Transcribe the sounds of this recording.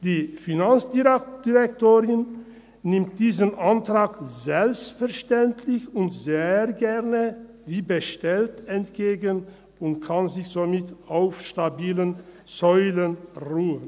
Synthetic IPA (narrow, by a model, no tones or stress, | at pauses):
d̥iːfinant͡sd̥id̥iʁɛktoːʁɪnː | ɪmt̚d̥iːzənʔantʁ̥aːkzɛlpstfɛɐʃtɛntʰlɪçʊntz̥eːɡɛʁnə | viːbəʃtɛltɛntɡ̥eːɡən | ʊntkʰanzɪçz̥omɪtaʊfʃtabiːlən | zɔʏlənʁuːən